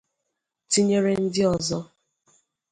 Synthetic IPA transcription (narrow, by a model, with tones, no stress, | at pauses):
ti˦ɲe˦ɾe˦n̩˦dɪ˦ɔ˨zɔ˦